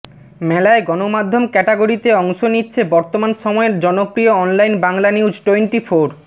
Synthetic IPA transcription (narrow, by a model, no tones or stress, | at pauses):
mɛlaeɡɔnomad̪ʱːomkɛʈeɡoɾit̪eɔŋʃonitːɕʰebɔɾt̪omanʃɔmɔeɾd͡ʑɔnopɾioɔnlajnbaŋlaniwd͡ʑʈweɳʈifoɾ